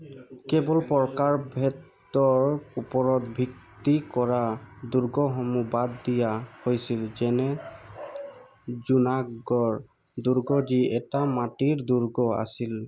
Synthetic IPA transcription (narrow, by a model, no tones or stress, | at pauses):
kɛbɔlpɔɹkaɹbʱɛtː | ɔɹupɔɹɔtbʱiktikɔɹaduɹɡɔɦɔmubad̪ːijahojsilzɛnɛ | zunaɡɔɹ | duɹɡɔziɛtamatiɹduɹɡɔa̰sil